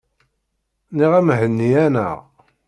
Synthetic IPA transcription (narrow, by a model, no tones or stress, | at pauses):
niʁæmɦənːiænæ̰ʁ